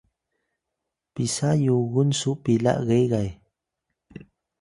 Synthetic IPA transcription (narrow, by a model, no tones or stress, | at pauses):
pisajuɣunsupila̰ʔɣejɣaj